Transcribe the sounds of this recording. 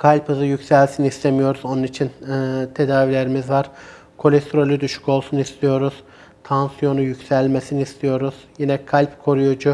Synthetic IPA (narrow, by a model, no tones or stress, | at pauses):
kʰalʲpʰɯzɯjycʲsælʲsinist̪ʰemijo̞ɾuzo̞nunit͡ʃʰint̪ʰe̞d̪aːvilʲe̞ɾimizvaɾ̥ | kʰo̞lʲɛst̪ʰɾo̞lʲyd̪yʃy̥co̞lˠsunist̪ʰijo̞ɾuz̥ | t̪ʰansijo̞nujycsælʲmesiniist̪ʰijo̞ɾuz̥jinɛkʰalʲpkʰo̞ɾujud͡ʒu